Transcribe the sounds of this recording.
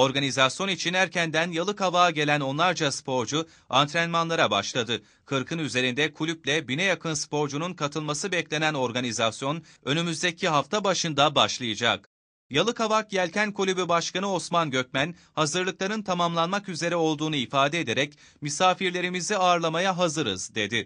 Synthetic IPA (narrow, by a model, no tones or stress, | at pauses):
o̞ɾɡanizasjo̞nit͡ʃʰinhæɾcænd̪ænjalˠɯkavaːɟe̞lʲæno̞nlˠaɾd͡ʒaspʰo̞ɾd͡ʒu | ant̪ʰɾɛnmanlˠaɾabaʃlˠad̪ɯ | kʰɯɾkʰɯnyze̞ɾind̪ɛkʰulʲyplʲɛbinɛjakʰɯnspʰo̞ɾd͡ʒununkʰat̪ʰɯlˠmasɯbɛclʲe̞næno̞ɾɡanizasjo̞n | ø̞nymyzd̪ecʰiɦaft̪ʰabaʃɯnd̪abaʃlˠɯjɯd͡ʒak̚ | jalˠɯkavak̚ɟælʲcʰænkʰulʲybybaʃkʰanɯo̞smanɟø̞cmæn | hazɯɾlˠɯklˠaɾɯnt̪ʰamamlˠanmakyze̞ɾɛo̞lˠd̪uːnuifaːd̪ɛed̪e̞ɾɛc | mysaːfiɾlʲe̞ɾimizd̪ɛaːɾlˠamajaɦazɯɾɯ̰zd̪e̞d̪ɪ